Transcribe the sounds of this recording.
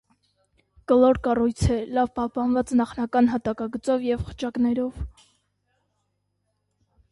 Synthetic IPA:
kəlɔɾkɑrujt͡sʰɛlɑvpɑhpɑnvɑt͡snɑχnɑkɑnɦɑt̪ɑkɑɡət͡sɔvjɛvχə̥t͡ʃʰɑknɛɾɔv

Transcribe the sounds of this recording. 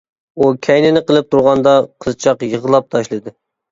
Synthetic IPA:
ukʲʰɛjnɪnɪqəlˠɨp̚t̪ʰuɾʁɑnd̪ɑqʰəzt͡ʃʰɑqjəʁəlˠɑp̚t̪ʰɑʃlˠɨd̪ɨ

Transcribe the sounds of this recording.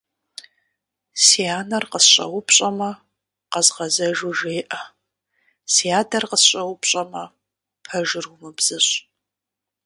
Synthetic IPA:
sijaːnɐrqəsɕʼɐ̰wʊpʰɕʼɐmɐ | qɐzʁɐzɐʒuʒeːʔɐ | sijaːdɐrqəsɕʼɐwʊpɕʼɐmɐ | pʰɐʒɨrʊmɨbz̥ɨɕʼ

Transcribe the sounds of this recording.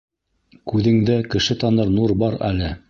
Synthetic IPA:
kʉðɘ̆ŋd̪ækɘ̆ʃɘt̪ɑnɤɾnuɾbɑɾæ̰lɘ

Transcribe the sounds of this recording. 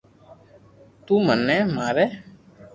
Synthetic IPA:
t̪ũːmənːɛːmaːɾɛː

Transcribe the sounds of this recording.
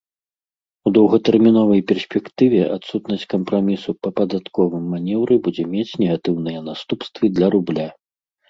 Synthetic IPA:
ud̪ɐwɣɐt̪ɛrmʲinɔvɐjpʲɛrsʲpʲɛkt̪ɨvʲɛʔat̪sut̪nɐsʲt͡sʲkɐmpɾamʲisupɐpɐd̪at̪kɔvɨmːanʲɛwɾɨbud͡zʲɛmʲet͡sʲnʲɛɣat̪ɨwnɨjɛnast̪upst̪vɨd̪lʲɐɾublʲa

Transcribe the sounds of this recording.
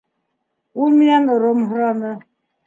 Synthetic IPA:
umianəɾomɦɾanə

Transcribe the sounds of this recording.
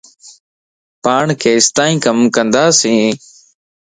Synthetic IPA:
paːɳkʰeːɪst̪aːĩːkəmkənd̪aːsĩː

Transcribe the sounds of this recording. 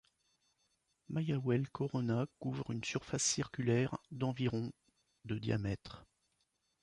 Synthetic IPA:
majawɛlkʰɔʁɔnakuvʁynsyʁfasːiʁkʲylɛʁd̪ɑ̃viʁɔ̃ | d̪əd̪ja̰mɛt̪χ

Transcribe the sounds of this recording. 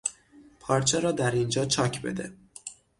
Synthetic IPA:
pʰɒːɾt͡ʃʰeɾɒːd̪æɾind͡ʒɒːt͡ʃʰɒːcʰbe̞̰d̪e

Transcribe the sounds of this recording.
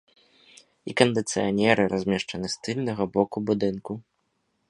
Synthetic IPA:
ikɐnd̪ɨt̪sɨjanʲɛɾɨɾazʲmʲɛʂt͡ʂɐnɨst̪ɨlʲnɐɣɐbɔkubud̪ɨnku

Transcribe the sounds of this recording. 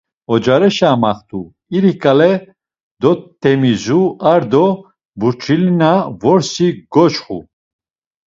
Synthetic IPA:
ɔd͡ʒaɾɛʃamaχt̪ʰʼu | iɾikʼalɛ | d̪ɔt̪ʰːɛmizuaɾd̪ɔ | buɾt͡ʃʰilinavɔɾsiɡɔt͡ʃχṵ

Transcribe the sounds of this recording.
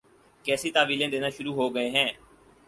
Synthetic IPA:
kɛːsiːt̪aːʋiːlẽːd̪eːnaːʃʊɾuːɦoːɡəeːɦɛ̃ː

